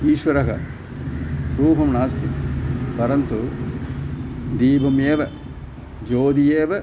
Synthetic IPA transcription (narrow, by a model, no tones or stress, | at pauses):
iːʃʋɐɾɐɦɐ̰ | ɾuːpɐmnaːst̪ipɐɾɐnt̪u | d̪iːbʱɐmeːʋɐ | d͡ʒoːd̪ijeːʋɐ